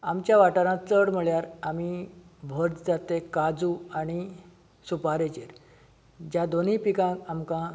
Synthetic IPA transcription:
amt͡ɕjaʋaʈaɾãt͡səɽm̤əɭjaɾamibʱəɾd͡z̪d͡zat̪ekad͡zuaɽ̃i | supaɾet͡ɕeɾ | d͡ʑjad̪onipikãamkã

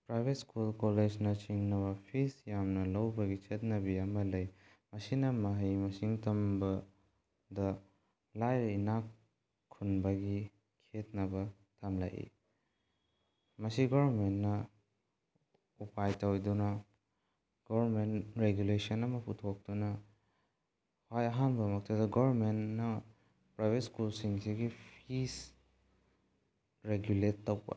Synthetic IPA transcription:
pɾajbʱet̚skulkoled͡ʒnɐt͡ʃiŋnɐβɐpʰisjamnɐlɐwbɐɡit͡ʃet̚nɐbiɐmɐlɐj | mɐsinɐmɐɦɐjmɐsiŋtɐmbɐ | dɐ | lajɾɐinak | kʰːunbɐɡi | kʰet̚nɐbɐ | tʰɐmla̰jʔḭ | mɐsiɡɔβɾmentnɐ | upajtɐwdunɐ | ɡ̥ɔɾmenɾeɡjulesɐnɐmɐpʰutʰok̚d̥unɐ | hajɐɦanbɐmɐk̚tʰɐdɐɡɔβɾmennɐ | pɾajbetskulsiŋsiɡipʰis | ɾeɡjuletːowbɐ̰

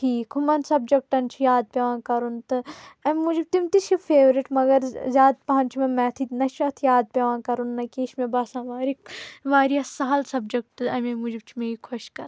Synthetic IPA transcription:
ʈʰiːkʰumɐnsɐbd͡ʒɐk̚ʈɐnt͡ʃʰijaːd̪̚pʲeʋãːkɐɾunt̪ɨɐmʲmud͡ʒib̚t̪imt̪it͡ʃʰifʰeːʋɾiʈmɐɡɐɾzʲaːd̪̚pɐɦɐ̃nt͡ʃʰumẽmɛ̃t̪ʰinɐʃɐt̪ʰijaːd̪̚pʲeʋãːkɐɾunːɐkeːʃmẽbaːsãːʋaːɾiʋaːɾijaːsaɦɐlsɐbd͡ʒɐk̚ʈɨɐmemud͡ʒib̚t͡ʃʰimeːikʰoʃkɐɾ

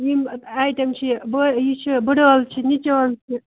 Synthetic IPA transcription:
jimajt̪ɐmt͡ʃʰibjit͡ʃʰibɨɽoːlt͡ʃʰinʲit͡ʃoːlt͡ʃʰi

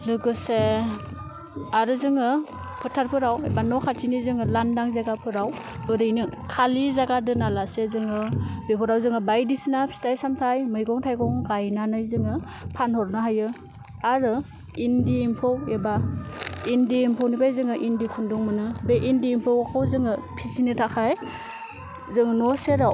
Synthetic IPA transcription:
lɯɡɯse | aɾɯzɯŋɯ | pʰɯtʰaɾpʰɯɾawebanɔkʰaɾtʰinizɯŋɯlandaŋzaɡapʰɯɾaw | ɯɾɯjnɯkʰalizaɡadɯnalasezɯŋɯbepʰɯɾawzɯŋɯbajdisinapʰi̥tajsamtʰajmɯjɡɔŋtʰajɡɔŋɡajnanɯjzɯŋɯ | pʰanhɔɾnaɦajɯ | aɾɯ | indiimpʰɔweba | indiimpʰawnipʰajzɯŋɯʔindikʰundɔŋmɯnɯbeʔindiːmpʰɯwakʰawzɯŋɯpʰisinɯtʰakʰaj | zɯŋnɔseɾaw

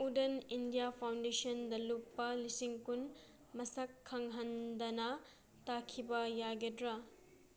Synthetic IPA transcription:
udenindijapʰawndesɐndɐlupːɐlisiŋkun | mɐsɐkʰːɐŋɦɐndɐnɐ | takʰibɐjaɡedɾɐ

